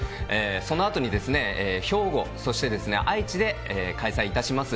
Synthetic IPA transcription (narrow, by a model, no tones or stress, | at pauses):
eːso̞no̞at̪o̞ɲ̟id̪e̞sɨne̞eːço̞ːɡo̞so̞ɕi̥t̪e̞d̪e̞sɨne̞̰ʔait͡ɕid̪e̞eːkaisaiːt̪aɕimasɨ